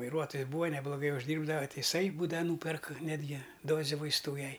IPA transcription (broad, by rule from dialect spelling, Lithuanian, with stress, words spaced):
ʋɐɪˈruɔtoːjɪs ˈbuːʋɐ nʲɛblˠoːˈɡɐɪ ʊʒʲˈdʲiːrbdɐʋɐ ˈtʲɪ ɪˈsɐɪ ˈbuːdɐʋɐ ˈnuːpʲɛrk ˈnʲæːdʲɡʲɪ ˈdoːzʲɛ ʋɐɪsˈtuː ˈjɛɪ